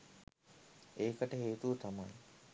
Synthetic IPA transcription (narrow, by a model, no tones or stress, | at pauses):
eːkəʈəɦeːt̪uʋət̪ʰaman